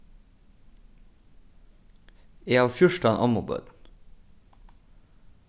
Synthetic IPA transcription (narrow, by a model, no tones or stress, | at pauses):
eːɑːʋfjʊʃʈɑnʔɑmʊbø̰ːd̪n̩